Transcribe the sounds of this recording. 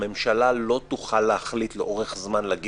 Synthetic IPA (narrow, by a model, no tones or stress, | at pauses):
me̞mʃalalo̞t̪uχalːehaχlit̪leʔo̞ʁeχzmanlaɡi